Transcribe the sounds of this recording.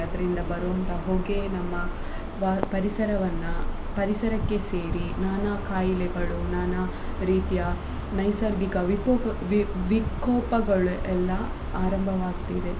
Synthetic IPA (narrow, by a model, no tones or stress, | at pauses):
ɐd̪ɐɾind̪ɐbɐɾuɐnt̪ɐɦoːɡenɐmːɐ | ʋaːpɐɾisɐɾɐʋɐnːu | pɐɾisɐɾɐkːe̞se̞ːɾinaːnakaːjilɛɡɐɭunaːna | ɾiːt̪ijɐ | nɐjsɐɾɡikɐʋiʋiʋikːɔːpɐɡɐɭuʔɛlːɐ | aːɾɐmbʱɐʋaːɡt̪id̪e